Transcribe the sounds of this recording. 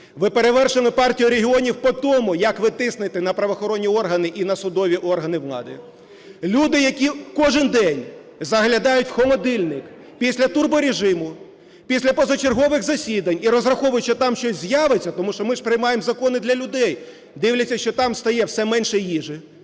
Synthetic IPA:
ʋɪpeɾeʋɛrʃɪlˠɪpɑrtʲijʊɾʲeɦʲiɔnʲiwpɔt̪ɔmʊjɐkʋɪt̪ɪsnɪt̪ɪnɐpɾɐʋɔxɔɾɔnʲːiɔrɦɐnɪʔinɐsʊd̪ɔʋʲiʔɔrɦɐnɪʋlˠɑ̰d̪ɪ | lʲud̪ɪjɐkʲikɔʒɪnd̪ɛnʲ | zɐɦlʲɐd̪ɑjʊtʲxɔlˠɔd̪ɪlʲnɪk | pʲisʲlʲɐt̪urbɔɾʲeʒɪmʊ | pʲisʲlʲɐpɔzɐt͡ʃerɦɔʋɪɣzɐsʲid̪ɐnʲiɾɔzrɐxɔʋʊjʊt͡ʃːɪt̪ɑmʃt͡ʃɔsʲzʲjɑʋet͡sʲːɐt̪ɔmuʃt͡ʃɔmɪʂpɾɪjmɑjemzɐkɔnɪd̪lʲɐlʲʊd̪ɛj | d̪ɪwlʲɐt͡sʲːɐʃt͡ʃɔt̪ɑmst̪ɐjɛwsɛmɛnʃɛjiʒɪ

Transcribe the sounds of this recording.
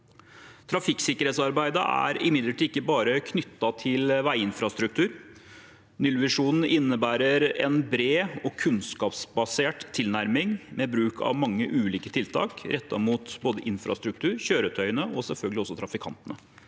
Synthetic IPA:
t̪ʰɾɑfɪksɪkːəɾeːt̪sɑɾbæɪd̪əʔæ̰ɾɪmɪd̪ləʈʰiːɪkːəbɑːɾəkʰnʏt̪ːɑt̪ʰɪlʋæɪɪnfɾɑst̪ɾʉk̚t̪ʰʉːɾ | nʏlʋɪʂuːnn̩ɪnːəbæːɾəɾɛnbɾeːɔkʰʉnskɑːpsbɑseːʈt̪ʰːɪlnæɾmɪŋmɛbɾʉːkʰɑ̰ʋmɑŋːəʔʉːliːkət̪ʰɪlt̪ʰɑ̰ːkɾʔɛt̪ːɑ̰muːt̪boːd̪əʔɪnfɾɑ̰st̪ɾʉk̚t̪ʰʉːɾçøːɾət̪ʰœʏənəɔsɛlfœlɡəlɪɔsːɔt̪ʰɾɑfɪkʰɑ̰nt̪ənə

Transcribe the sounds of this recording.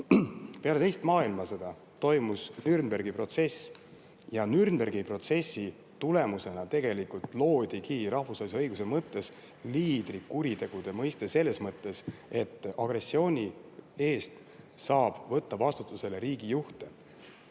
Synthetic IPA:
pe̞ɑle̞t̪ejst̪mɑːilmɑse̞d̪̥ɑ | t̪o̞jmusnyrnbe̞rɡipro̞t̪se̞s | jɑnyrnberɡipro̞t̪se̞sːi | t̪ule̞muse̞nɑt̪e̞ɡe̞likult̪ˑlo̞ːd̪̥ʲikiːɾɑhvusvɑːliseɤjɡ̥usemɤt̪ːe̞s | liːd̪̥rikːuɾit̪e̞ɡ̥ud̪̥e̞mɤjst̪e̞se̞lːe̞smɤt̪ːe̞se̞t̪ːˑɑɡ̥re̞sːio̞ːnʲie̞ːst̪ | sɑːb̥vɤt̪ːɑvɑst̪ut̪ːˑuse̞leɾiːɡ̥ijuht̪e̞

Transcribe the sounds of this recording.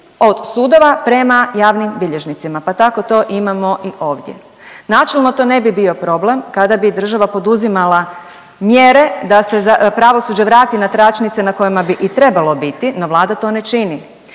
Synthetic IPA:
o̞d̪̥suːd̪o̞ʋapɾe̞majaːʋnimbiʎeʒnit̪simapat̪ako̞t̪o̞ːʔimamo̞ʔiʔo̞ːʋd̪jḛ | naːt͡ʃelˠno̞t̪o̞ːne̞bibio̞pɾo̞ble̞mkad̪abid̪r̩ʒaʋapo̞d̪uzimalˠa | mje̞ɾe̞d̪ase̞zapɾaʋo̞sud͡ʑeʋɾaːt̪inat̪ɾat͡ʃnit̪senako̞jimabiʔit̪ɾe̞balˠobit̪ino̞ʋlˠaːd̪at̪o̞ne̞t͡ʃini

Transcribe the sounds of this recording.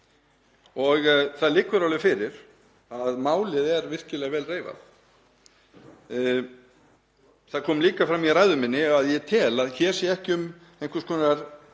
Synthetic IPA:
ɔɣθaðlɪkvʏɾawlʏfɪɾɪɾ̥ | aðmaːwlɪðɛɾvɪr̥cɪlɛɣvɛːlreːjva̰θ | θaðkʰɔːmliːkafɾamːiɾrajðʏmɪnːɪaðjɛt̪ʰɛːlaðçɛɾ̥sɛɛhcɪʏm | ejŋkvʏɾskʰɔːnaɾ̥

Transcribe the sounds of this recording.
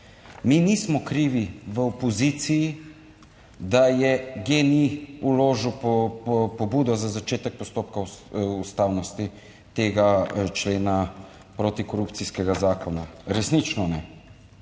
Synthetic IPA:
minismɔkɾiʋiʋəɔpɔzit̪siji | d̪ajɛɡeniuloːʒwppɔbuːd̪ɔzazat͡ʃeːt̪ɛk̚pɔst̪oːp̚kaust̪awnɔst̪i | t̪eːɡat͡ʃleːna | pɾot̪ikɔɾupt̪siskɛɡazaːkɔnaɾɛsnit͡ʃnɔnɛ

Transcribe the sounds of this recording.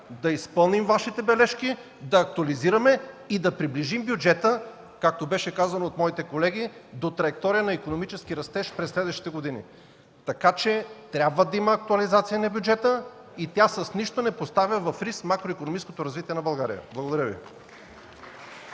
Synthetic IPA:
d̪ɐispɤlˠnimvaʃit̪ɛbɛlɛʃki | d̪ɐːk̚t̪uɐliziɾɐmɛ | id̪ɐpɾibliʒimbjʊd͡ʒɛt̪ə | kak̚t̪obɛʃɛkazɐnoːt̪mɔit̪ɛkolɛɡ̟id̪ot̪ɾɐjɛk̚t̪ɔɾijənɐikonomit͡ʃɛsk̟iɾɐst̪ɛʃpɾɛsːlɛd̪vəʃi̥t̪ɛɡod̪inḭ | t̪ɐkat͡ʃɛt̪ɾʲabvəd̪ɐimɐːk̚t̪uɐlizat̪sijənɐbjʊd͡ʒɛt̪ə | it̪ʲjasɐsniʃt̪onɛpost̪avʲjəvɐfɾismakɾoikonomit͡ʃsko̥t̪oɾɐzvit̪iɛnɐbɐlˠɡaɾḭjə̰blˠɐɡod̪ɐɾʲjəvḭ

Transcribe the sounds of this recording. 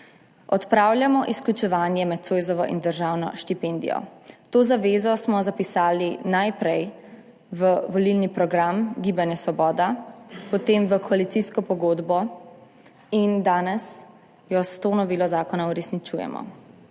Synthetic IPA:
ɔt̪pɾaːwljamɔʔisklut͡ʃɛʋaːnjɛmɛt̪̚t̪sojzɔʋɔ̰ʔḭnd̪əɾʒawnɔ̰ʃt̪ipend̪ḭjɔ̰t̪oːzaʋeːzɔsmɔzapisaːlinajpɾɛj | ʋəʋɔlilnipɾɔɡɾamɡiːbanjɛsʋɔbɔːd̪apɔt̪emʋəkʰɔalit̪siːskɔpɔɡoːd̪bɔ | ind̪aːnɛs | jɔst̪onɔʋiːlɔzaːkɔnauɾɛsnit͡ʃuːjɛ̰mɔ̰

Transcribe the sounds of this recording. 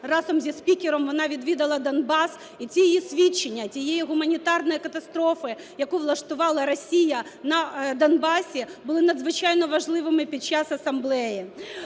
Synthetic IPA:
rɑzɔmzʲispʲikʲɪɾɔmʋɔnɑʋʲid̪ʋʲid̪ɐlˠɐd̪ɐnbɑs | it͡sʲijjisʲʋʲit͡ʃːenʲːɐt͡sʲijɛjiɦʊmɐnʲit̪ɑrnɔjikɐt̪ɐst̪ɾɔfɪ | jɐkuʋlˠɐʃt̪ʊʋɑlˠɐɾɔsʲijɐnɐd̪ɐnbɑsʲibʊlˠɪnɐd̪zʋɪt͡ʃɑjnɔʋɐʒlˠɪʋɪmɪpʲid̪̚t͡ʃɑsɐsɐmblˠɛji

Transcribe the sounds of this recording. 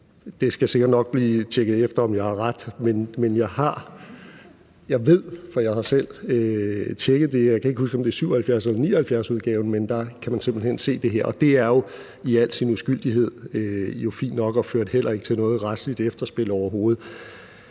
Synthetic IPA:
d̥e̝sɡ̥æse̝ɡ̥ɐd̥nɒ̽ɡ̥̚b̥liːt͡ɕʰeɡ̥əð̞̩ˠefd̥ɐɒ̽mjɑ̈ɪhɑ̈ʁad̥menmenjɑ̈ɪhɑ̈ | jɑ̈ɪʋe̝ð̞̰ˠfɒ̽jɑ̈ɪhɑ̈sel̰øt͡ɕʰeɡ̥ðˠd̥e̝jaɪkʰæeɡ̥usɡ̥ɒ̽md̥e̝æɐsyʊ̰ɐhælfjæɐselɐniːɐhælfjæɐsuðˠɡ̥ɛːʊn̩mend̥ɑ̈kʰæmænse̝mb̥l̩hen̰se̝̰ːd̥e̝ɦe̝ɐ̰ʔɒ̽d̥e̝æɐjo̝ | iæl̰̥sinusɡ̥yl̰d̥iɦe̝ð̞̰ˠøjo̝fḭːnd̥nɒ̽ɡ̥ɒ̽føɐd̥ɦel̰ɐe̝ɡ̥ət͡sʰe̝lnɔ̽ːð̩ˠʁad̥slid̥efd̥ɐsb̥e̝lɒʊ̰ɐɦo̝ːð̞̩ˠ

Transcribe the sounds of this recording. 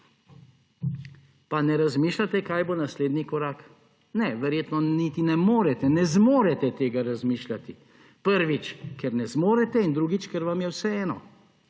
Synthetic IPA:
panɛɾazmiːʃlat̪ɛkaːjbonasleːd̪nikɔɾaːk | nɛʋɛɾjeːt̪nɔnit̪inɛmoːɾɛt̪ɛnɛzmoːɾɛt̪ɛt̪eːɡaɾazmiːʃlat̪i | pəɾʋit͡ʃkɛɾnɛzmoːɾɛt̪ɛind̪ɾuːɡit͡ʃkɛɾʋamjɛwsɛɛːnɔ̰

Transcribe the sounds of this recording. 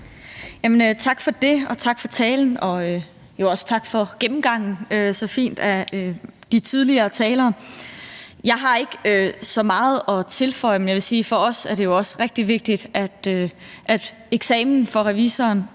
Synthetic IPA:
jæmənøt͡sʰɑ̈ɡ̥fɒ̽d̥e̝ɒ̽t͡sʰɑ̈ɡ̥fɒ̽t͡sʰɛːln̩ɒ̽ø | jo̝ɒ̽st͡sʰɑ̈ɡ̥fɒ̽ɡ̥emm̩ɡ̥ɑ̈ŋ̰n̩øsɒ̽fḭːnd̥æød̥it͡sʰið̞ˠliɐːt͡sʰɛːlɐː | jɑ̈ɪɦɑ̈e̝ɡ̥øsɒ̽mɑ̈ːð̞̩ˠɒ̽t͡sʰe̝lfɒ̽ɪ̰menjɑʋe̝siːfɒ̽ɒ̽sæɐɾe̝jo̝ɒ̽sʁɛɡ̥̚d̥iʋe̝ɡ̥̚d̥id̥æd̥øʔæd̥ | eɡ̥sɛ̰ːmn̩fɒ̽ʁɛʋiːsɐːn

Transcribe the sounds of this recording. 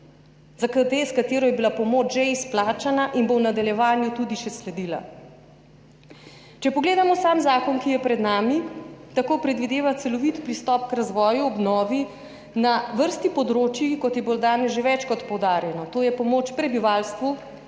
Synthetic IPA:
zakəd̪eskat̪eːɾɔjɛbilapɔmoːt͡ʃʒeisplaːt͡ʃanaʔinbownad̪aljɛʋaːnjut̪ud̪iʃɛslɛd̪iːla̰ | t͡ʃɛpɔɡleːd̪amɔsaːmzaːkɔnkijɛpɾɛd̪naːmit̪akoːpɾɛd̪ʋid̪eːʋat̪sɛlɔʋit̪pɾist̪ɔːpkɾazʋɔːjuɔbnɔːʋi | naʋəɾst̪ipɔd̪ɾoːt͡ʃjikɔt̪jɛbolɔd̪aːnɛzʒeʋɛt͡ʃkɔt̪pɔwd̪aːɾjɛnɔt̪oːjɛpɔmoːt͡ʃpɾɛbiʋaːlst̪ʋu

